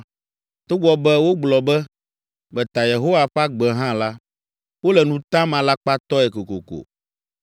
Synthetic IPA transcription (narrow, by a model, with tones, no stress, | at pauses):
t̪o˦ɡ͡bɔ˨bɛ˦wo˦ɡ͡blɔ˨bɛ˦ | bɛ˨t̪a˨je˨ɦo˦wa˨ɸa˦ɡ͡bɛ˨ɦã˦la˦ | wo˦lɛ˨nũ˦t̪ã˦mã˨la˦k͡pa˦t̪ɔ˦ɛ˨ko˨ko̰˨ko̰˨